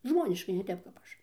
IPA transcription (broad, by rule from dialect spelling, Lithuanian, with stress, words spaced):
ˈʒmoːnʲɪʃkɐɪ nʲɛ ˈtʲɛp kɐp ˈɐʃ